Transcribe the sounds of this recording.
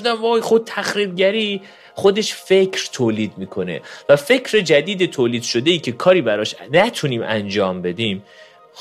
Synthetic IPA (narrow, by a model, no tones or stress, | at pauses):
d̪æmɒːjxobt̪ʰæxɾiːbɟæɾiː | χo̞d̪e̞ʃfe̞cʰɾt̪ʰoːliːd̪̚miːkʰo̞ne̞̰væfe̞cʰɾe̞d͡ʒæd̪iːd̪et̪ʰoːliːd̪̥ʃo̞d̪e̞iːcʰe̞kʰɒːɾiːbæɾɒːʃnæt̪ʰuniːmʔæ̰nd͡ʒɒːmbe̞d̪iːm